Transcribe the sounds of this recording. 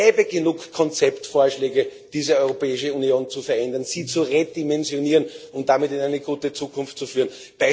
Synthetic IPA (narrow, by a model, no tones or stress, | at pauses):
ɛːbəɡənuːkkʰːɔnt͡sɛptfoːɐʃlɛːɡəd̥iːzəɔʏʁopɛːɪʃəunjoːnt͡sufɛɐʔɛndɐnsiːt͡suʁedimɛnzjoniːʁənʊnt̚d̥amɪtɪnæɪnəɡ̥uːtət͡suːkʰʊnftt͡sufyːɐn | b̥a